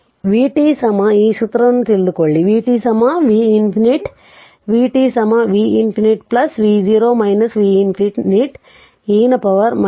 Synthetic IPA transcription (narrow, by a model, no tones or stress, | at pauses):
ʋiːʈiːsɐmɐiːʃut̪ɾɐnːut̪ild̪ukoɭːiʋiːʈiːsɐmaʋiːinpʰiniʈ | ʋiːʈiːsɐmɐʋiːinpiniʈplɐsʋiːd͡ʒiːɾoːmɐjnɐsʋiːinpʰiʈniʈ | iːnɐpɐʋɐɾmɐ